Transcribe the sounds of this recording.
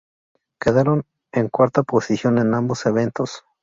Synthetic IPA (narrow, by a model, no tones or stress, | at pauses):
keðaɾon | eŋkwaɾt̪aposisjone̞namboseβent̪os